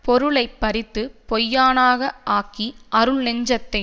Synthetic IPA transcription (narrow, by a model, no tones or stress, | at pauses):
pɔɾɯɭɐɪpːɐɾɪt̪ːɯpɔjːaːnaːɣɐʔaːkiʔɐɾɯɭnɛɲd͡ʒɐt̪ːɐɪ